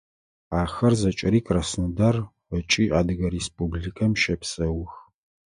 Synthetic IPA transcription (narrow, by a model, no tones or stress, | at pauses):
aːxɐrzɐt͡ʃʼɐɾiːkʼrɐsnɨdɐr | ɐt͡ʃʼiːʔaːdɨɣɐɾespʼublikʰɐmʃɐpsɐwx